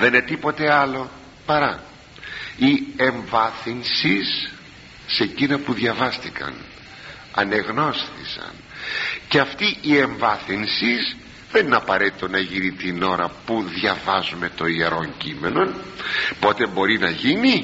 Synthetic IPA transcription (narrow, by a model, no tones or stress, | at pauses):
ðe̞ne̞t̪ipo̞t̪e̞ɐlo̞ | pɐɾɐ | ie̞ɱvɐθinsisː | e̞cinɐpuðʝɐvɐst̪ikɐ̰n | ɐne̞ɣno̞sθḭsɐ̰n | ceɐft̪iʔieɱvɐθinsis | ðe̞nineɐpɐɾet̪i̥t̪o̞nɐʝinit̪ino̞ɾɐpuðʝɐvɐzume̞t̪o̞ieɾo̞ɲcime̞no̞npo̞t̪e̞bo̞ɾinɐʝini